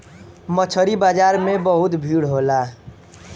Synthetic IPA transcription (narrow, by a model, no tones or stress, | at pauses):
mət͡ʃʰəɾibad͡ʒaɾmebəɦut̪bʱiɽɦola